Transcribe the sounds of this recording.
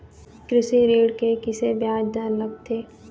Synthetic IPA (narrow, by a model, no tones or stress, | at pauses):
kɾɪʃiɾiːɽkekɪsebjaːd͡ʒd̪əɾləɡ̚t̪ʰeː